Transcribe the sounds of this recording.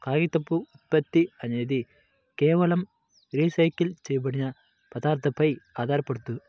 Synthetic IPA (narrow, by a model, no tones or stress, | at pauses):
kaːɣit̪ːɐpːuːt̪̚pːɐt̪ːiɐɲjɐði | keːʋɐlɐm | ɾiːsɐjkːilt͡ʃejɐp̬ɐɽɪɲɐ | pɐd̪aːɾt̪ɐpːɐjaːðaːɾɐpːɐɽɯt̪ːu